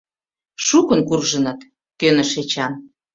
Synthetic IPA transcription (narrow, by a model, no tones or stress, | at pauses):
ʃukə̆nkurʒə̆nɤt̪ | kønə̆ʃet͡ɕɑn